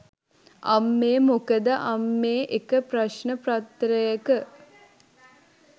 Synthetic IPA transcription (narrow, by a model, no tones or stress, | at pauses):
ɐ̰mːeːmukəd̪əʔamːeːʔekəpraʃnəprat̪ːɾəjəkə